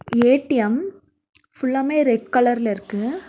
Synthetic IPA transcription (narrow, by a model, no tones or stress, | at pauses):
eːʈːɪjɐm | fʊɭːɐmeːɾɛɖ̚kɐɭɐɾɪlɪɾɯkːɯ